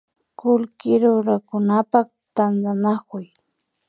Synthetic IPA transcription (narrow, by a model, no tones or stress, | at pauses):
kʊlkɪɾʊɾakʊnapak | t̪and̪anakʊj